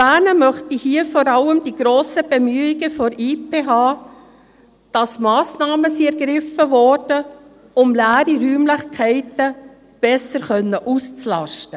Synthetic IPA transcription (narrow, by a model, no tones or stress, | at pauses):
b̥æːnəmœχtihiːəfoːɾɑləmd̥iɡ̥ɾoːsəb̥emyːiɡəfɔɾipʰeːɦɑː | d̥ɑsmɑːsnɑːməsiɛɾɡɾɪfəvɔːɾd̥ə | ʊmlæːɾiɾyːmlɪχkʰɛɪtə | b̥ɛsəɾkœnːəʔust͡slɑ̰ʃtə